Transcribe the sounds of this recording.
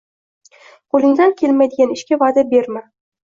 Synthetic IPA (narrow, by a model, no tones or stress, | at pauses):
qʰolˠɪŋd̪ankʲʰe̞lmajd̪ɪɡʲanɪʃkʲavad̪abe̞ɾma